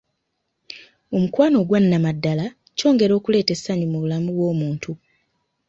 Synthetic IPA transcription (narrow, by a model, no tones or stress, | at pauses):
o̞mukwaːno̞ɡwanːamadːala | co̞ːŋɡe̞ɾo̞ːkule̞ːte̞sːaɲimuβulamuβwo̞ːmuːntʰu